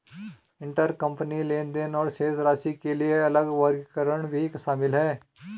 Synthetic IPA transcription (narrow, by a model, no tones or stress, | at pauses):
ɪ̃ɳʈəɾkɐ̃mpənileːnd̪eːnɔːɾseːzɾaːsikelieɐləɡʋəɾɡkəɾəɽ̃bʱikʃaːmɪlɦɛː